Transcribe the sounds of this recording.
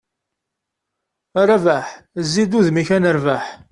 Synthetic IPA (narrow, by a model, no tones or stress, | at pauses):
rˤavaħzːid̪uðmiçænəɾvaħ